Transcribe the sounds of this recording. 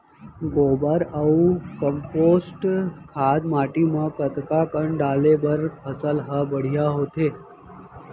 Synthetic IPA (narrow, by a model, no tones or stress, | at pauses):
ɡobaɾaukəmposʈkʰad̪maʈimãkət̪kakəɳɖalebəɾpʰəsəlɦəbəɽ̤ijaɦot̪ʰe